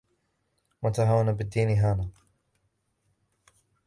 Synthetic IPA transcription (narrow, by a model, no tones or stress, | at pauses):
want̪aɦaːwanabɪd̪ːiːnɪɦaːnaː